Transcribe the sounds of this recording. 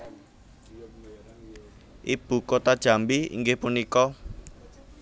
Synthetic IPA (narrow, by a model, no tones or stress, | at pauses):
ʔib̥ṳkot̪ad̥ʒ̥a̤mbiḭŋɡɪhpunikɔ